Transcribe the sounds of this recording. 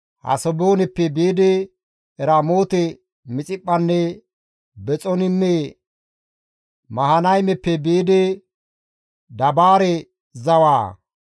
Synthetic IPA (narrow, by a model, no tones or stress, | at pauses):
hɐ̰sɔboːnɪpːɛbiːd̪ɛ | ɛɾaːmoːt̪ɛ | mɪt͡sʼɪpʼːɐnːɛ | bɛt͡sʼɔnɪmːɛ | mɐhɐnɐjmɛpːɛbiːd̪ɛ | d̪ɐbaːɾɛ | zɐwaː